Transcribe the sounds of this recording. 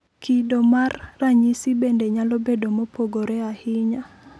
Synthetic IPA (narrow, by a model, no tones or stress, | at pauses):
kidomarːaɲisibendeɲalobedomopʰoɡoɾɛahɪɲa